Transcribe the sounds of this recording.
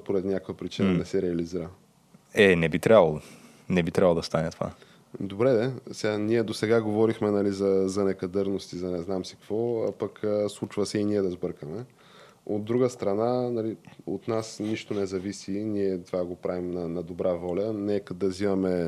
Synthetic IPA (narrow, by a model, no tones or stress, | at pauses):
poɾɛt̪nʲakvəpɾit͡ʃinənɛsɛɾɛɐliziɾə | ɛnɛbit̪ɾʲabəlˠo | nɛbit̪ɾʲabəlˠod̪st̪anɛt̪ova̰ | d̪obɾɛd̪ɛsɛɡaniɛd̪osɛɡaɡovɔɾixmɛnɐlizɐzɐnɛkɐd̪ɤɾnost̪izɐnɛznamsi̥kvɔpəkslˠut͡ʃvəsɛiniɛd̪ɐzbɤɾkəmɛ | o̰d̪ːɾuɡəst̪ɾɐnanɐliot̪nasniʃt̪onɛzɐvisiniɛt̪ovaɡopɾavimnɐnɐd̪obɾʔavɔlʲənɛkəd̪ɐzivɐmɛ